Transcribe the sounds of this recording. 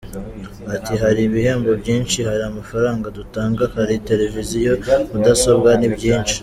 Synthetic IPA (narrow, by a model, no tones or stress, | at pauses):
atiɦaɾiβihe̞ːmbo̞bɟiːnʃihaɾiamafaɾaːŋɡadutaːŋɡahaɾite̞ɾe̞vizijo̞mudaso̞bɡanibɟiːnt͡ʃi̥